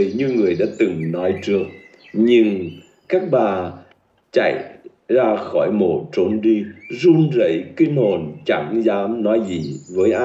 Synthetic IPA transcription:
ɲɨ˧ŋɨ˨˩əjɗa̰ː˧˥t̪ɨ˨˩ŋnɔ˨˦jt͡ɕɨ˦˥ək̚ | ɲɨ˧ŋ | kaː˦˥k̚ɓaː˨˩ | t͡ɕa̰˧˨j | zaː˧xɔ˧˩jmo˨˩t̚t͡ɕo˨˧˦nɗi˧zu˧nzə̰˧˥˩jki˧ŋ̟ho˨˩nt͡ɕa˧˩ŋzaː˨˦mnɔ˨˦jzi˨˩vəː˨˦jʔa˧

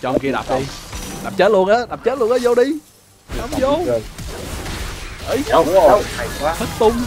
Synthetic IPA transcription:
t͡ɕɔ˧ʔə˧ŋ͡mki˧əɗa̰˨˩p̚ɗi˧ɗa˨˩p̚t͡ɕəː˦˥t̚lu˧ənʔəː˨˦ɗa˨˩p̚t͡ɕəː˦˥tlu˧ənʔəː˨˧jzo˧ɗi˧ | a˨˦mzo˧ | ʔə˨˧˦jt̪ʰɨ˦˥k̚t̪ʊ˧ŋ͡m

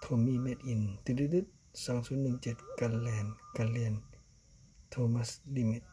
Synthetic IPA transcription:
t̪ʰo˧˨miː˧˨me˧t̪̚ʔi˧˩˨nt̪i˧di˧d̪ɯ˧˦t̪̚ | saː˨˦ŋsu˧˦nːɯ˧˨ŋt͡ɕe˧˩t̪̚ka˧˨llɛː˧˩nka˧lli˧˩ən | t̪ʰoː˧˨ma˧˨sli˧˨mi˧t̪̚

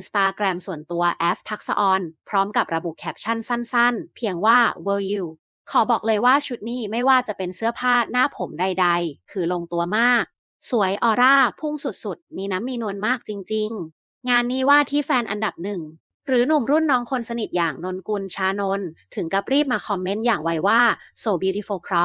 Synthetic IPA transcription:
i˧nst̪aː˧kɾɛː˧msu˨˩ənt̪u˧ɐʔɛː˦˥p̚t̪ʰa˦˥k̚sa̰˧ʔɔː˧npʰɾɔː˦˥mka˨˩p̚ɾa˧bu˨˩ʔkʰɛː˦˥p̚t͡ɕʰa˥˩nsa˥˩nsa˥˩npʰi˧əŋwaː˥˩wɤː˧ji˧˩ | kʰɔː˩˦bɔː˨˩k̚lɤː˧jwaː˥˩t͡ɕʰu˦˥t̪̚niː˥˩ma˥˩jwaː˥˩t͡ɕa˨˩pe˧nsɯ˦˥ɐpʰaː˥˩naː˦˥˩pʰːo˩˦mda˧jda˧jkʰɯː˧loː˧ŋt̪u˧ɐmaː˥˩k̚ | su˩˦əjʔɔː˧ɾaː˥˩pʰu˥˩ŋsu˨˩t̪̚su˨˩t̪̚miː˧na˦˥mːiː˧nu˧ənmaː˥˩k̚t͡ɕi˧ŋt͡ɕi˧ŋ | ŋaː˧nːiː˦˥˩waː˥˩t̪ʰiː˥˩fɛː˧nʔa̰˧nda˨˩p̚nɯ˨˩ŋ | ɾɯː˩˦nu˨˩mɾu˥˩nːɔː˦˥ŋkʰo˧nsa˧ni˨˩t̪̚jaː˨˩ŋno˧nku˧nt͡ɕʰaː˧˥no˧˥nt̪ʰɯ˩˦ŋka˧˩p̚ɾiː˥˩p̚maː˧kʰɔ˧mːe˦˥njaː˨˩ŋwa˧jwaː˥˩soː˧biː˧ɾi˦˥foː˧kʰɾɔ˦˥

